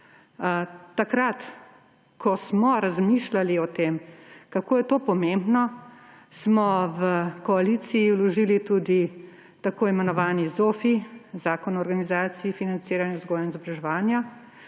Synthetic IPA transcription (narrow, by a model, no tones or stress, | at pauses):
t̪akɾat̪ | kʰɔsmɔɾazmiːʃlaliɔt̪eːmkakoːjɛt̪oːpɔmembnɔ | smɔʋəkɔalisiːwlɔʒiːlit̪ud̪i | t̪akoːimɛnɔʋaːnizoːfizaːkɔnɔɔɾɡanizaːt̪siifinant̪siːɾanjɛzɡɔːjanizɔbɾaʒɛʋaːnja